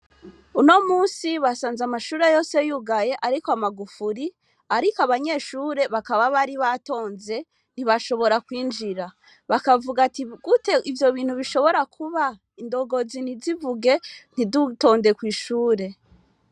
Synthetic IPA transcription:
uno̞muːsiβasaːnzamaʃuːɾejo̞ːse̞juɡaje̞ʔaɾikoamaɡufuɾi | aɾikoaβaɲe̞ːʃuːɾe̞βakaβaβaɾiβato̞ːnze̞ | n̥iβaʃo̞βo̞ɾakwiːnd͡ʒiɾa | βakavuɡatiɡ̥ute̞ʔivjo̞βiːn̥huβiʃo̞βo̞ɾakʰuβa | indo̞ɡo̞zinizivuɡe̞n̥iduto̞ːndekwiːʃuːɾe̞

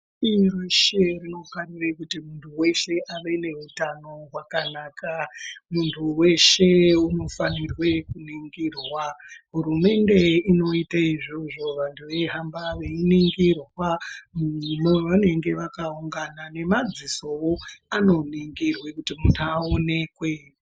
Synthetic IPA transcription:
irweʃerino̞farirekutimuntʰuwe̞ʃe̞ʔaʋe̞ne̞ɦutano̞ɦwakanaːkamuntʰuwe̞ʃe̞uno̞fanirwe̞kuniŋɡirwaɦuɾume̞nde̞ino̞itaiʐo̞ʐo̞ʋantʰuʋe̞ɦambaʋe̞iniŋɡirwamumoʋane̞ŋɡe̞ʋakauŋɡanane̞mad͡ziso̞woano̞niŋɡirwekutimuntʰuaone̞kwe̞

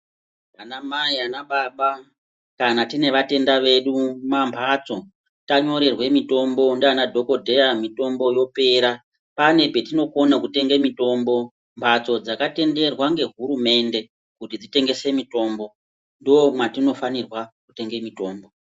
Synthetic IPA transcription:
anamaianaɓaɓa | kanatine̞ʋate̞ndaʋe̞ɗumampʰat͡so̞ | taɲo̞ɾe̞rwe̞mito̞mbo̞ndanadʱo̞ko̞dʱe̞jamito̞mbo̞jo̞pe̞ɾa | pane̞pe̞tino̞ko̞nakute̞ŋɡemito̞ːmbo̞ | mpʰat͡so̞d͡zakate̞nde̞rwaŋɡe̞ɦuɾume̞nde̞ | kutid͡zite̞ŋɡe̞se̞mito̞ːmbo̞ | ndiomwatino̞fanirwakute̞ŋɡe̞mito̞ːmbo̞

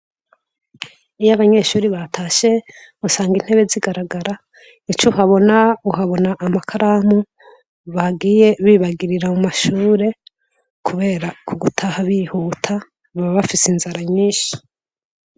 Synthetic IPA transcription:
ijaβaɲe̞ʃuːɾiβatʰaːʃe̞ | usaːŋɡin̥he̞βe̞ziɡaɾaɡaɾa | it͡ʃuɦaβo̞nauɦaβo̞naʔːmakʰaɾaːmu | βaɡiːje̞βiːβaɡiɾiɾamumaʃuːɾe̞ | kʰuβe̞ːɾakʰuɡutʰahaβihuːtʰa | βaβaβafisinzaɾaɲiːʃi̥

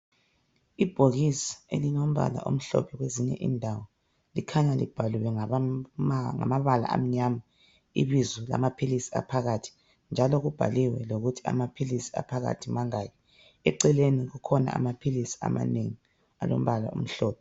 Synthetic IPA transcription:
ib̥ʱoɣisḁelinom̩βa̰la̰ʔum̩ɬɔ̰pʰɛɣweziɲɛ̰ʔindʱawɔ | likʰaɲalib̥ʱaluwɛ | ŋa̰maβala̰ʔam̩ɲama | ḭβizula̰mapʰilisi̥a̰pʰaɣatʰi̥ | nd͡ʒʱaloɣub̥ʱa̰liwɛloɣutʰi̥a̰mapʰilisi̥a̰pʰaɣa̰tʰimaŋaːjɔ | ɛǀɛleniɣukʰɔna̰amapʰilisi̥a̰ma̰neŋi | alo̰m̩βala̰ṵm̩ɬɔːpʰɛ

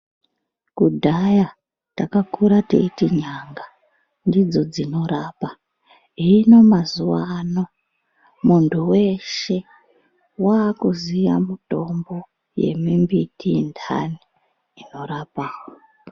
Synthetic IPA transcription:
kudʱaja | takakuɾatḛitiɲaŋɡa | ndid͡zo̞d͡zino̞ɾaːpa | iːno̞mazuwano̞ | muntʰuwe̞ʃe̞ | wakuziʋa̰muto̞mbo̞ | je̞̰mimbitindʰa̰niː | no̞ɾapaːwo

